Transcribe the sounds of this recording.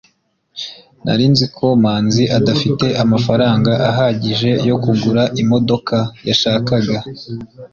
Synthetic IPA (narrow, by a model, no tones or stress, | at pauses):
na̰ɾinzikʰo̞maːnziʔadafite̞ʔamafaɾaːŋɡaʔaɦaɟiʒe̞jo̞kuɡuɾaʔimo̞do̞kʰajaʃaːkaɡa